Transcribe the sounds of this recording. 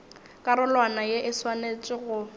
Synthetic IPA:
kʼaɾʊlwanajeʔɪswanet͡sʼɪɣʊ

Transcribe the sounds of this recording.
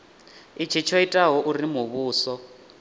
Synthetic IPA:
it͡ʃʰit͡ʃʰɔitʼaɦɔʔurimuβuːsɔ

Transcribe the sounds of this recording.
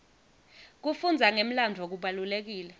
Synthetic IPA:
k̬ufund͡zʱaŋem̩landʱok̬uɓalulek̬iːlɛ

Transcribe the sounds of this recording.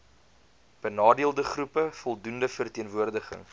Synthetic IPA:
b̥ənɑːdiəlˠdəχrupəfɔlˠdundəfərtiənvuərdəχə̰ŋ

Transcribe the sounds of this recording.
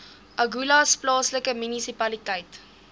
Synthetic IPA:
ʔɐɡulɐsplɑːsləkəmynisipɐlitɛjt

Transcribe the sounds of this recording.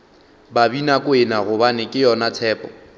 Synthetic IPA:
babinakʼʊɪnaɣʊbanɪkʼɪjɔnat͡sʰɛːpɔ

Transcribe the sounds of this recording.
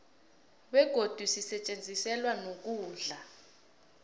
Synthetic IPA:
ɓɛɡ̥ʱod̥ʱusisɛt͡ʃʼend͡zʱisɛlwanok̬uːɮa

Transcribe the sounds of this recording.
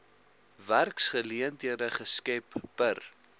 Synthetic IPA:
værksχəliəndiərəχəskɛpbər

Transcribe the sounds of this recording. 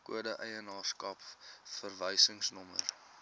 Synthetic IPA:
kṵədəʔəjənɑːrskɐpfərvəjsəŋsnɔmər

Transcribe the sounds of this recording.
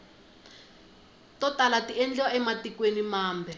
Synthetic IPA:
tɔtalatiɛnd͡ɮɔɛmatikwenimaːmbʱɛ

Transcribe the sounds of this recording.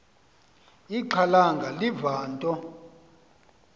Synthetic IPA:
iǃʰalaŋɡʱalivaːntʼɔ

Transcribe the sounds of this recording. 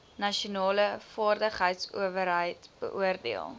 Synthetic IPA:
nɐʃiunɑːləfɑːrdəχɦəjtsṵəvəɾɦəjtb̥ə̰ʔuərdḭəlˠ

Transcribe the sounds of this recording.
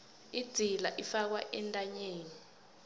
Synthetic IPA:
id̥z̥ʱila̰ʔifak̬waʔɛntʼaɲeːni

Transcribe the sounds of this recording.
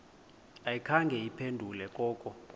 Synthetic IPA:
ajikʰaŋɡʱɛjipʰendʱulɛkʼɔːkʼɔ

